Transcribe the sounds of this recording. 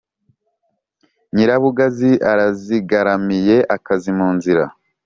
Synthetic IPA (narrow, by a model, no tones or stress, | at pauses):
ɲiɾaβuɡaziʔaɾaziɡaɾamije̞ʔakazimuːnziɾa̰